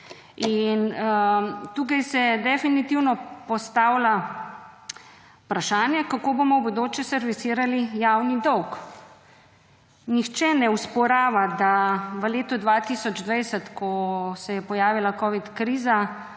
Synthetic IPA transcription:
inət̪uːkajsɛd̪ɛfinit̪iwnɔpɔst̪awla | pɾaʃaːnjɛkakoːbomɔbod̪oːt͡ʃjɛsɛɾʋit̪siːɾalijaːwnid̪ɔwk | nixt͡ʃɛnɛuspɔɾaːʋad̪aʋəleːt̪ɔd̪ʋat̪iːsɔd͡ʒd̪ʋɛjsət̪kʰɔsɛjɛpɔjaːʋilakɔʋit̪kɾiːza

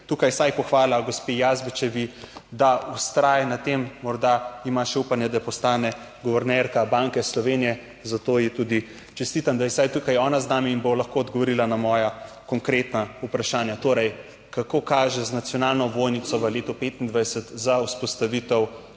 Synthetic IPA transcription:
t̪ukajsajpɔxʋaːlaɡospejazbit͡ʃɛʋid̪aust̪ɾaːjɛnat̪emːɔɾd̪aimaʃɛupanjɛd̪apɔst̪aːnɛ | ɡɔʋɛɾnɛɾkabaŋkɛslɔʋenijɛ | zat̪oːjɛt̪ud̪i | t͡ʃɛst̪iːt̪amd̪ajɛsajt̪ukajɔːnaznaːmiːnbolaxkoːd̪ɡɔʋɔɾilanamɔːja | kɔŋkɾet̪naupɾaʃaːnjat̪oːɾɛj | kakoːkaːʒɛznat̪sjɔnalnɔʋojnit̪sɔʋəleːt̪ɔpet̪ind̪ʋajsət̪zawspɔst̪aʋit̪ɛw

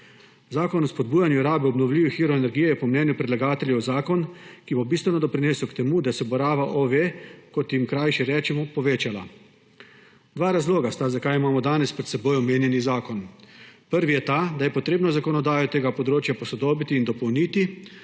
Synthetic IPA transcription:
zaːkɔnɔspɔd̪̚buːjanjuɾaːbɛɔbnɔwlʲiːʋixiːɾɔɛnɛɾɡijɛjɛpɔmnɛːnjupɾɛd̪laɡaːt̪ɛlʲjɛwzaːkɔnkibɔbiːst̪ʋɛnɔd̪ɔpɾineːsɔwkt̪ɛmud̪asɛbɔɾaːʋaʔoʋekɔt̪jimkɾajʃɛɾɛːt͡ʃɛmɔpɔʋeːt͡ʃala̰ | d̪ʋaːɾazloːɡast̪azakajimaːmɔd̪aːnɛspɾɛt̪sɛboːjɔmeːnjɛnizaːkɔnpəɾʋijɛt̪ad̪ajɛpɔt̪ɾeːbnɔzakɔnɔd̪aːjɔt̪eːɡapɔd̪ɾoːt͡ʃjapɔsɔd̪oːbit̪iːnd̪ɔpɔwniːt̪i

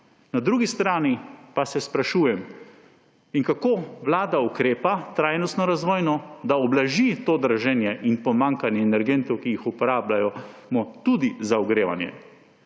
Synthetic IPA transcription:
nad̪ɾuːɡist̪ɾaːnipasɛspɾaʃuːjɛm | iŋkakoːʋlaːd̪aukɾeːpat̪ɾaːjnɔst̪nɔɾazʋɔːjnɔd̪aɔblaʒit̪oːd̪ɾaʒɛnjɛʔinpɔmaŋkanjɛɛnɛɾɡent̪ɔwkijixupɔɾaːblajɔmɔt̪ud̪izaɔɡɾeːʋa̰njɛ̰

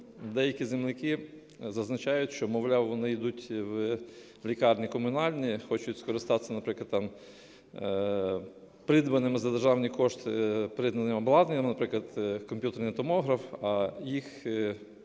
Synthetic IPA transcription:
d̪ɛjɐkʲizemlɪkɪ | zɐznɐt͡ʃɑjʊtʲʃt͡ʃɔmɔʋlʲawʋɔnɪid̪utʲw | lʲikɑrnʲikɔmʊnɑlʲnʲixɔt͡ʃʊtʲskɔɾɪst̪ɑt̪e̥sʲɐnɐpɾɪklˠɐd̪t̪ɑm | pɾɪd̪ʋɐnɪmɪzɐd̪erʒɑwnʲikɔʃt̪ɪpɾɪd̪nɐnɪmɔblˠɑd̪nʲɐmnɐpɾɪklˠɐd̪̥kɔmʲpʲjut̪eɾnit̪ɔmɔɦɾɐfɐjix

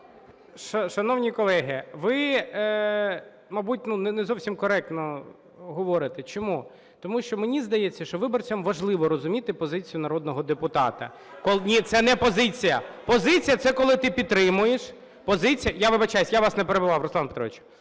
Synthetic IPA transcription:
ʃɐʃɐnɔwnʲikɔlˠɛɦɪʋɪ | mɐbut̚ʲnunɛnɛzɔwsʲimkɔɾɛk̚t̪nɔ | ɦɔʋɔɾɪt̪ɪt͡ʃɔmu | t̪ɔmuʃt͡ʃɔmenʲizd̪ɐjet͡sʲːɐʃt͡ʃɔʋɪbɔrt͡sʲɐmʋɐʒlˠɪʋɔɾɔzʊmʲit̪ɪpɔzɪt͡sʲijʊnɐɾɔd̪nɔɦɔd̪epʊt̪ɑ̰t̪ɐ̰ | kɔlˠnʲit̪sɛnɛpɔzɪt͡sʲijɐ̰pɔzɪt͡sʲijɐt̪sɛkɔlˠɪt̪ɪpʲid̪t̪ːɾɪmʊjeʃ | pɔzɪt͡sʲijɐjaʋɪbɐt͡ʃajsʲjaʋɑsnɛpeɾebʊʋɑwɾɔsˠɑnpet̪ɾɔ̰ʋɪt͡ʃʊ

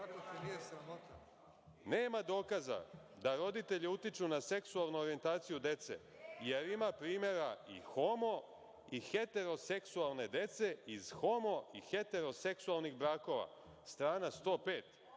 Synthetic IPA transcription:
ɾ | neːmad̪o̞ːkaza̰ | d̪aɾo̞d̪it̪e̞ʎiut̪it͡ʃunase̞ksualˠnuoɾie̞nt̪aːt̪sijud̪e̞t̪se̞̰ | je̞ɾimapɾiːmje̞ɾaḭxo̞mo̞ | ixe̞t̪e̞ɾo̞se̞ksualˠne̞d̪e̞t̪se̞iz̥xo̞mo̞ixe̞t̪e̞ɾo̞se̞ksualniɣbɾaːko̞ʋa̰ | st̪ɾaːnast̪o̞ːpe̞ːt̪

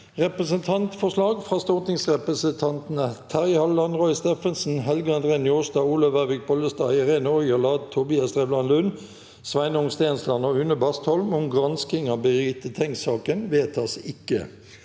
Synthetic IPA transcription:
ʁɛpʁəsənt̪ʰɑnt̪fɔʂlɑːɡfʁɑːst̪ɔʁt̪nɪŋsʁɛpʁəsənt̪ʰɑnt̪nət̪ʰæʁhɑlɑnʁɔʏst̪eːfənsn̩ɦɛlɡəɑnd̪ʁeːnjoːsd̪ɑːuːlɔʋæʋɪk̚bɔləst̪ɑːɪʁeːnəɔʏəlɑːd̪̚t̪ʰːʊbɪɑst̪ʁeːblɑnlʉn | sʋæɪnəʊŋst̪eːnslɑnɔʉnəbɑst̪hɔlmʊmɡʁɑnskɪŋɑbəʁiːt̪ət̪ʰɛŋsɑːkənʋeːt̪ɑsɪkːə̰

